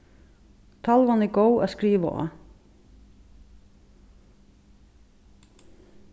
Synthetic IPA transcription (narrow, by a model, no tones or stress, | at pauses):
t̪ʰalʋanɛɡowa̰skɾiːʋa̰ʔɔ̰ː